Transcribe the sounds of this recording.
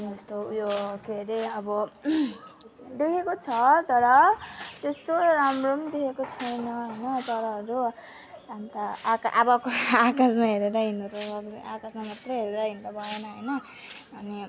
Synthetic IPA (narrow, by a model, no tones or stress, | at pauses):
d͡ʒest̪ojokeɾeʌbʌ | d̪ekʰekot͡sʰʌt̪ʌɾʌt̪est̪ojoɾamromd̪ekʰekot͡sʰʌjnʌɦʌjnʌt̪ʌɾʌɦʌɾu | ant̪aakʔabʌkoakasmaɦeɾeɾʌɦinot̪ʌaakasmamat̪rʌɦeɾeɾʌɦint̪ʌbʱʌenʌɦʌjnʌː | ni